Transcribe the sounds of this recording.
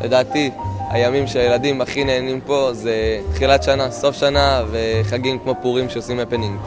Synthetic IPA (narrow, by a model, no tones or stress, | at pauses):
lʔe̞daːt̪ia̰jamimʃeajeladimaχineːnimpo̞ze̞t̪χilat̪ʃanaso̞fʃanaveχaɡimkmo̞puʁimʃeosimepeniŋɡ